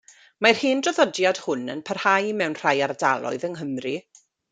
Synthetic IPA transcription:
mar̥hiːndrɔðɔdjad̥hʊnə̰npʰərhajmɛwnr̥ajaɾdalˠɔ̰ɨðəŋɦəmri

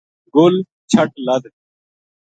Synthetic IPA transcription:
ɡʊl | t͡ʃʰəʈ̚ləd̪

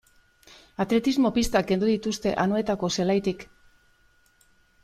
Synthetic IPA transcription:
at̪ɾe̞t̪izmo̞pist̪ake̞nd̪uðit̪ust̪e̞̰ʔanoe̞t̪ako̞se̞lajt̪ik

